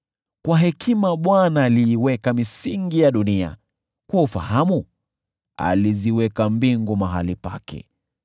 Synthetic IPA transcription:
kwaɦɛkʰimaɓwanaːliːwɛkamisiŋɡijaɗunia̰ | kwɔufa̰hamu | a̰liziwɛkambiŋɡumaɦalipa̰kɛ̰

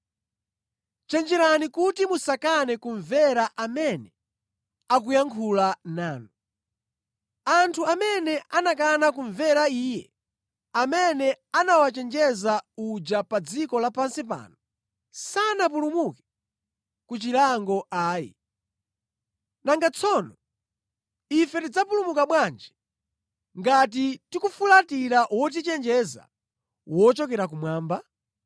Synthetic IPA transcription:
t͡ʃɛnd͡ʒɛɾanikutimusakanɛkuɱvɛɾaʔamɛnɛ | akujaŋkʰulanaːnu | antʰuamɛnɛʔanakanakuɱvɛɾaiːjɛ | amɛnɛanawat͡ʃɛnd͡ʒɛzaud͡ʒapad͡zikɔlapansip̬a̰ːnɔ | sanap̬ulumukɛ̥ | kut͡ʃilaŋɡɔaːjḭ | naŋɡat͡sʰɔnɔ | ifɛtid͡zapulumukaɓwand͡ʒɛ̥ | ŋɡat̬itikufulatiɾaʔwɔt̬it͡ʃɛnd͡ʒɛza̰ | wɔt͡ʃɔkɛɾak̬umwaːmba

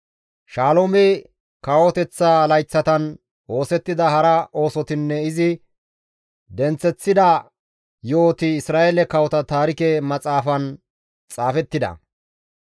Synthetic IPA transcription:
ʃaːlomɛ | kɐwɔt̪ɛt͡sːalɐjt͡sːɐt̪ɐn | o̞ːsɛt̪ːɪd̪ɐhɐɾɐʔo̞ːsɔt̪ɪnːɛɪzɪ | d̪ɛnt͡sːɛt͡sːɪd̪ɐ | joːt̪ɪːsɾaːʔelɛkɐwɔt̪ɐt̪aːɾɪkɛmɐt͡sʼaːfɐn | t͡sʼaːfɛt̪ːɪd̪ɐ̰

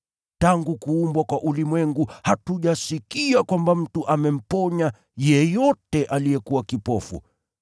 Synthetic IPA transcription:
taŋɡukuːmbwakwaʔulimwɛŋɡuhatuʄasikiakwambam̩tuʔamɛm̩pɔɲa | jɛjɔtɛʔalijɛkuwakipɔfṵ

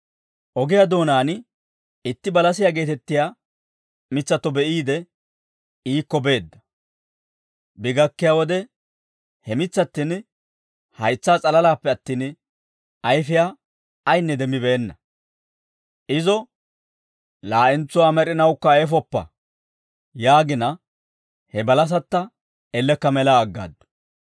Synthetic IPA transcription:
ʔɔɡɪjad̪o̞ːnaːn | ɪt̪ːɪbɐlɐs̬ɪjaːɡe̞ːt̪ɛt̪ːɪjaː | mɪt͡sːɐt̪ːɔbɛʔiːd̪ɛ | iːkːɔbe̞ːd̪ːɐ̥ | bɪɡɐkːɪjaːwɔd̪ɛ | hɛmɪt͡sːɐt̪ːɪn | hɐjt͡sːaːt͡sʼɐlɐlaːpːɛɐt̪ːiːn | ɐjfɪjaː | jnːɛd̪ɛmːɪbɛːnːɐ | ʔɪzɔ | laːʔɪnt͡sːɔaːmɛɾɪnɐwkːɐɛfɔpːɐ̰ | jaːɡɪnɐ | hɛbɐlɐs̬ɐt̪ːɐ | ɛlːɛkːɐmɛlaːɡːa̰ːd̪ːʊ̥

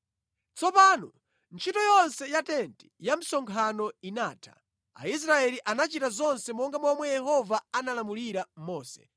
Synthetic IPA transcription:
t͡sɔpaːnɔ | nt͡ʃʰitɔjɔnsɛjatɛnti̥jam̩sɔŋkʰanɔinaːtʰḁ̰ | a̰is̬ɾaɛliʔanat͡ʃitazɔnsɛmɔŋɡamɔmwɛjɛhɔvaanalamuliɾamɔːsɛ̰̥

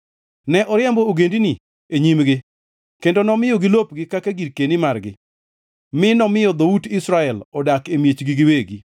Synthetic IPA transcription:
nɛʔɔɾjɛmbooɡendini | eɲimɡɪ | kkendonɔmɪjɔɡɪlop̚ɡɪkakaɡiɾkenimarɡɪ̰ | mɪnɔmɪjɔd̪oudɪsɾaɛlɔdakemjet͡ʃɡiɡɪweɡi

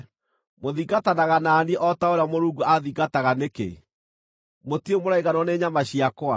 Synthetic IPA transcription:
moðiɡatanaɣanaːnieʔɔtaoɾeamoɾuːɡuaðiɡataɣanekḛ | motiemoɾaiɣanɔneːɲamaɕiakwa̰

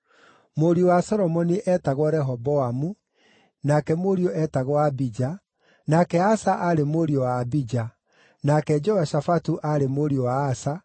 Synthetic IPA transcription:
moɾiowasɔɾɔmɔniʔɛtaɣwɔɾɛɦɔbɔamu | nakɛmoɾiɔʔɛtaɣwaːbid͡ʒa | nakɛasaʔaɾemoɾiɔwaːbid͡ʒa | nakɛd͡ʒɔwaʃafatuʔaɾemoɾiowaːsa

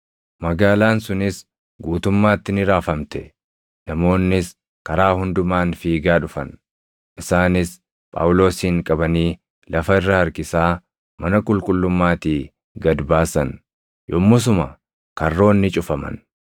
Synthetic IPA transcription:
mɐɡaːlaːnsʊnɪs | ɡuːt̪ʊmːaːt̪ːɪnɪɾaːfɐmt̪ɛ | nɐmo̞ːnːɪs | kɐɾaːhʊnd̪ʊmaːnfiːɡaːᶑʊfɐ̰n | ʔɪsaːnɪs | pʼa̰ːwlo̞ːsiːŋkʼɐbɐniː | lɐfɐɪrːɐhɐɾkɪsaː | mɐnɐkʼʊlkʼʊlːʊmːaːt̪iː | ɡɐd̪baːsɐn | jɔmːʊs̬ʊmɐ | kɐrːo̞ːnːɪt͡ʃʼʊfɐmɐ̰n

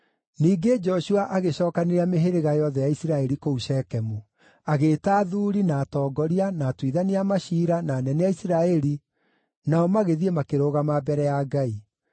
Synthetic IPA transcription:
niːɡed͡ʒɔɕuaʔaɣeɕɔːkaneɾeameɦeɾeɣajɔðɛjaisiɾaɛɾikouɕɛkɛmu | aɣeːtaːðuːɾinaːtɔːɡɔɾianaːtwiðaniamaʃiːɾanaːnɛneaisiɾaɛɾi | naɔmaɣeðiemakeɾoːɣamabɛɾɛjaɡai

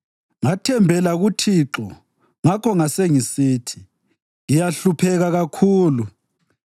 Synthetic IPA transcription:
ŋatʰɛmbʱɛlaɣutʰiǁɔ̰ | ŋakʰɔŋaseŋisiːtʰi̥ | ŋijaɬupʰɛɣaɣakʰuːlu

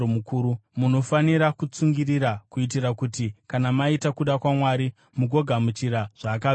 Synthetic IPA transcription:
mukuːɾumuno̞faniɾakut͡suŋɡiriɾakuit̬iɾakutikanamaitakuɗakwamwaɾi | muɡʱo̞ɡʱamut͡ʃiɾaʐ̥aːka

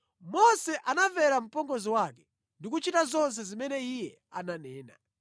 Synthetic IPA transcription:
mɔsɛʔanavɛɾam̩pɔŋɡɔziwakɛ̥ | ndikut͡ʃitazɔns̬ɛzimɛnɛijɛ | ananɛːna̰

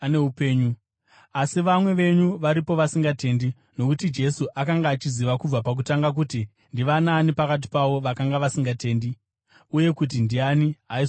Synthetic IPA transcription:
aneɦupeːɲu | asiʋamwe̞ʋe̞ɲuʋaɾipo̞ʋasiŋɡate̞ndi | no̞kutid͡ʒe̞suʔakaŋɡaːt͡ʃiziʋakub͡vapak̬utaŋɡak̬uti | ndiʋanaːnipakat̬i̥paʋo̞ʋakaŋɡaʋasiŋɡate̞ːndi | uje̞kut̬indianiɦai

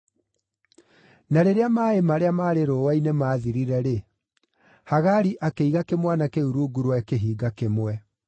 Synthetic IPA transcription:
naɾeɾeamaːemaɾeamaːɾeɾoːwainemaːðiɾiɾɛɾe | haɣaɾiʔakeiɣakemwanakeuɾuɡuɾwɛkeɦiːɡakemwɛ

